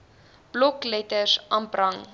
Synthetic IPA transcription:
b̥lɔklɛtəsʔɐmbrɐŋ

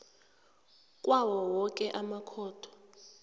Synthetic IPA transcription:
kʼwawɔwɔkʼɛʔamakʰɔːtʰɔ̥

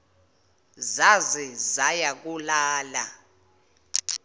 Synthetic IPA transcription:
zazɛzajak̬ʼulaːla

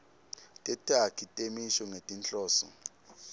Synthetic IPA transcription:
tʼɛtʼakʰitʼemiʃɔŋetʼint͡ɬʼɔːsɔ̰

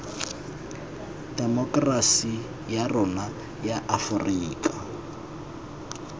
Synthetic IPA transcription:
d̥ɛmɔkʼrasi | jarʊna | jaʔafʊriːkʼḁ

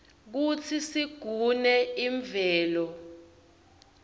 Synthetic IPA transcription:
k̬ut͡sʰisiɡ̥ʱunɛiɱvɛːlɔ

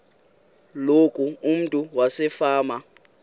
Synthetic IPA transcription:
lokʼuːm̩tʼuwasɛfaːma

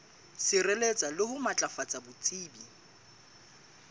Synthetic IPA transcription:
sɪrɛlet͡sʼalɪhʊmat͡ɬʼafat͡sʼabʊt͡sʼiːbi

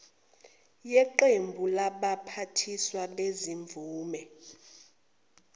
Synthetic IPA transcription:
jɛǃembʱulaɓapʰatʰiswaleziɱb̪vuːmɛ

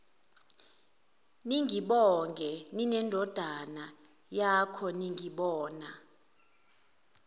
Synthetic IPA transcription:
niŋʱiɓɔŋɡʱɛninɛndʱɔd̥ʱana | jakʰɔniŋiɓɔːna

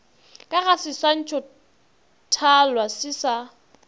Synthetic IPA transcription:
kʼaɣasɪsan̩t͡ʃʼɔ | tʰalwasɪsa

